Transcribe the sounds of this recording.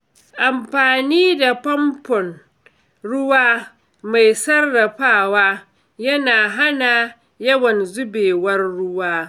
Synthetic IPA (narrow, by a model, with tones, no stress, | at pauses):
ʔa˨mɸaː˨niː˦da˨pɐ˦mpɔ˨n | ɽʊ˦waː˦ | ma˨jsɐ˦rːɐ˨ɸaː˦˨waː˦ | jɐ˦naː˨ɦa˦na˨ | jɐ˦wɐ˨nzʊ˦beː˨wɐ˦rːʊ˦waː˦